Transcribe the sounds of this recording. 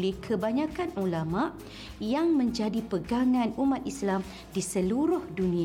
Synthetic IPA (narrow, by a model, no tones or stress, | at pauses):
lɪhkʰəbaɲãkanulamaʔ | jaŋmə̃ɲd͡ʒadipəɡaŋãnumat̪̚islam | disəluɾʊhdunĩ